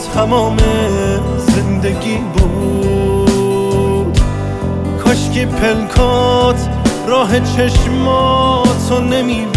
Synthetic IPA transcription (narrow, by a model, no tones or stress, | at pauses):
t̪ʰæmɔːme | zend̪eɡiːboɡu | kʰɔʃkepʰelkʰɔt̪ʰ | ɾɒːɦet͡ʃʰeʃmɔt̪ʰonemiː